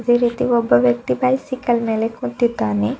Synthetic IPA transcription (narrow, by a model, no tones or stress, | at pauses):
ɐd̪eːɾiːt̪iɔbːɐʋjɐk̚t̪ibɐjsikɐlɐmeːlekut̪ːid̪ːaːne